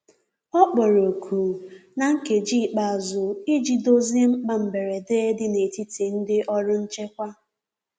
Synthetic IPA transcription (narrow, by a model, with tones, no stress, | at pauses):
ɔ˦k͡pɔ˨ɾo˨kʰu˨na˨ŋ̩˦ke˨d͡ʒiː˦˨k͡pa˨a˨zʊ˨i˦d͡ʒi˨do˦zi˦ŋ͡m̩˦k͡pa˦m̩˨be˨ɾe˨deː˦dɪ˦ne˨ti˦ti˨n̩˦dɪ˦ʔɔ˦ɾʊ˦n̩˦t͡ʃe˦kʷa˦